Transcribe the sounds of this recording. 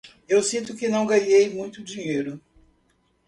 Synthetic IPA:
ewsĩnt̪ʊkɪnɐ̃w̃ɡɐɲejmũj̃t̪ʊd͡ʒiɲejɾʊ

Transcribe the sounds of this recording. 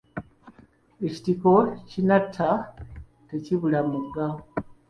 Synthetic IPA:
eci̥tiko̞cinatʰːa | teciβulamuɡːao

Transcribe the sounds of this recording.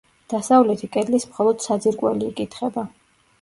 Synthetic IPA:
d̪̥asavlɛt̪ʰikʼɛd̪lismχɔlˠɔd̪̥sad̪ziɾkʼwɛliːkʼit̪ʰχɛba

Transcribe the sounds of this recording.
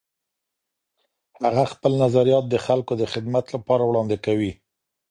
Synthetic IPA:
haɣaxpəlnazaɾijɑt̪̚d̪əxalkod̪əxɪd̪mat̪lapɑɾawɽɑnd̪ɪkawi

